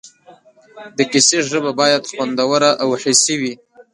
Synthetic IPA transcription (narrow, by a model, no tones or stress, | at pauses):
d̪əkɪseʒəbabɑjad̪xwand̪awəɾaʔawhesiwi